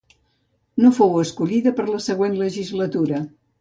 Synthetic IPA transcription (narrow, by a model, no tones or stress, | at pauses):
nofowəskuʎiðəpəɾləsəɣwenləʒizlət̪uɾə